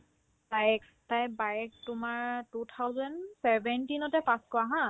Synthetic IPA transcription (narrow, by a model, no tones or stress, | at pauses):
tajɛk | tajbajɛk̚tʊmaɹtutʰawzɔnsɛbɛntinɔtɛpãskɔaɦã